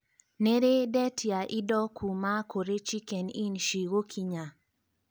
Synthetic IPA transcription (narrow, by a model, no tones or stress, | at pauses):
neɾedɛtjaʔɪdɔkʰumakoɾet͡ʃikɛninʃiɣokʰiɲa